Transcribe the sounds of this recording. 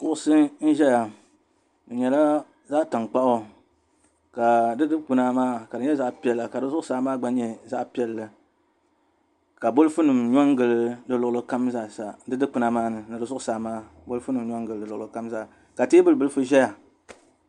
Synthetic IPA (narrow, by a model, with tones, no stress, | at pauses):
kʊ˨ʔʊ˦sɨ˦n̩˦ʒɛ˦ja˨ | n̩˨ɲɛ˨la˦ | zaː˦ta˨ŋk͡pa˦ʔʊ˦ | ka˨dɨ˦dɨ˦k͡pɨ˨na˦maː˦ka˨dɨ˨ɲɛ˦za˦ʔpi˨˦ɛ˦˨lːa˨ka˨dɨ˦zʊ˦ʔʊ˦saː˦maː˦ɡ͡ba˦ɲɛ˦˨za˦ʔpi˦ɛ˨lːɨ˨ | ka˨bo˦lɨ˦fɨ˦nɨ˨mɲɔ˦ŋɡɨ˨lɨ˦dɨ˦lʊ˨lɨ˦ka˦m˦za˦˨sa˨dɨ˦dɨ˦k͡pu˨na˦maː˦nɨ˨nɨ˨dɨ˨zʊ˦ʔʊ˦saː˨˦˨maː˦ | bo˦lɨ˦fu˦nɨ˨mɲɔ˦ŋ˦ɡɨ˨lɨ˦dɨ˨lʊ˨lɨ˨ka˦mza˦˨ | ka˨teː˦bɨ˦lɨ˨bɨ˦lɨ˦fɨ˦ʒɛ˦ja˨